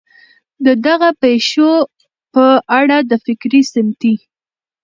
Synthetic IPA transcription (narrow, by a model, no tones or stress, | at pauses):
d̪əd̪aɣapejʃo | pəʔaɽad̪əfɪkɾisɪmt̪i